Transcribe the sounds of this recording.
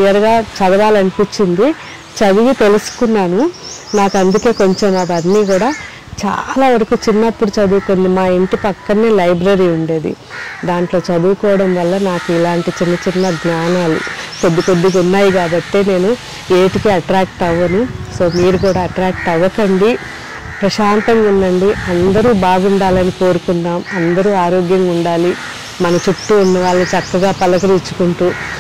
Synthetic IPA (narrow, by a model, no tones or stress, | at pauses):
ijɐɾɡaːt͡ʃɐd̪ɐʋaːlɐnipit͡ʃːind̪i | t͡ʃɐd̪uɡit̪e̞lusu̥kunːaːnunaːkɐnd̪uke̞ːko̞ɲt͡ʃomɐʋɐnːiːɡuːɽaː | t͡ʃa̰ːlaːʋɐɾɐkuːt͡ʃinːɐpːuɽut͡ʃɐd̪uːkond̪imaːeɳʈipɐkːɐnːeːlɐjbɾɐɾiːuɳɖe̞ːd̪ḭ | d̪aːɳʈlo̞ːt͡ʃɐd̪uːkɔːʋɐɽɐmʋɐlːɐnaːkuilaːɳʈit͡ʃinːɐt͡ʃinːɐɡ̪naːnaːlṵko̞d̪ːiko̞d̪ːik̬unːaːjikaːbɐʈ̪ːe̞ːne̞ːnu | eːʈikiɐʈɾaːk̚ʈɐʋːɐniso̞ːmiːɾuk̬uːɽaːɐʈɾaːk̚ʈɐʋːɐkɐɳɖi | pɾɐʃaːnt̪ɐmunːɐɳɖiɐnd̪ɐɾuːbaːɡuɳɖaːlɐniko̞ːɾukunːaːmɐnd̪ɐɾuːaːɾoːɡjɐmuɳɖaːli | mɐnɐt͡ʃuʈːuunːɐʋaːɭːit͡ʃɐkːɐɡaːpɐlɐkɐɾit͡ʃːu̥kuɳʈuː